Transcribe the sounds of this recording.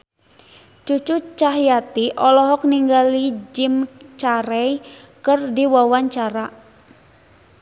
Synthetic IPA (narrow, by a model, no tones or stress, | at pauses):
t͡ʃut͡ʃut͡ʃaɦjat̪iʔɔlɔɦɔk̚niŋɡalid͡ʒimt͡ʃaɾɛj | kərdiwawaɲt͡ʃaɾa